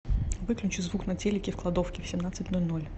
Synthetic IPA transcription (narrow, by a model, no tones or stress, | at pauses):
vɨklʲʉt͡ɕʊzvuknɐtʲelʲɪkʲɪfklˠɐd̪o̞fkʲɪfsʲɪmnat̪sɨtʲnolʲno̞lʲ